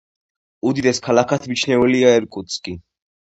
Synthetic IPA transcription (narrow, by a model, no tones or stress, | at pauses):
ud̪id̪ɛskʰalakʰat̪ʰmit͡ʃʰnɛvɛliaɛɾkʼut̪skʼi